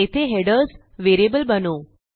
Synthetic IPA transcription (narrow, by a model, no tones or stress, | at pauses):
et̪ʰeɦeɖəɾz | ʋeɾiebəlbəno